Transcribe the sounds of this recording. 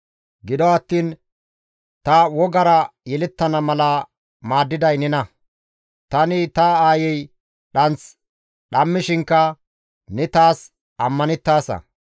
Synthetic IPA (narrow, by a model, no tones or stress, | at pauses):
ɡɪd̪ɔɐt̪ːiːn | t̪ɐwɔɡɐɾɐjɛlɛt̪ːɐnɐmɐlɐ | maːd̪ːɪd̪ɐjnɛnɐ | t̪ɐnɪt̪ɐaːjɛj | ɗɐnt͡s | ɗɐmːɪʃɪŋkːɐ | nɛt̪aːs | ɐmːɐnɛt̪ːaːsɐ̰